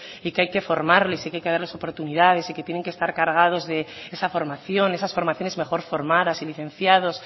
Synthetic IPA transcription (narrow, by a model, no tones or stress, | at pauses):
ikeajke̞fo̞ɾmaɾlesikeajkeðaɾleso̞po̞ɾt̪uniðað̞e̞siket̪jene̞ŋke̞st̪aɾkaɾɣ̞aðo̞zðe̞esafo̞ɾmaθjo̞ne̞sasfo̞ɾmaθjo̞ne̞zme̞xo̞ɾfo̞ɾmaðasiliθẽ̞nθjaðo̞s